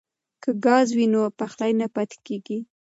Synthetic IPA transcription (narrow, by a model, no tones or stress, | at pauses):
kəɡɑzwinopaxlajnapat̪e̥keɡi